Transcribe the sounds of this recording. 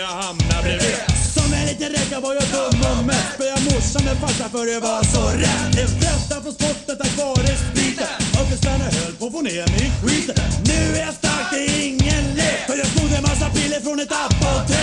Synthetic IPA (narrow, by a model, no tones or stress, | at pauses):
ahamnablɛvesɔmːɛliːt̪ənɾɛkːavaɾjad̪ʊmːɔmːɛpːəjɑmɔsːəmɛlpasːafœɾjavɑsɔɾɛd̪ɛfɾɛst̪ːafɔspɔt̪̚ːd̪ɛt̪ːakvɑːɾəsbiːt̪aɔfɛst̪anahøːlpɔfoneːmɛkʰwit̪nʉ̟ːæɾjast̪ak̚d̪ɛɪŋːənlɛfœɾjaskʊd̪ːəɛnmasːapilːəɾfɾɔnɛt̪apːat̪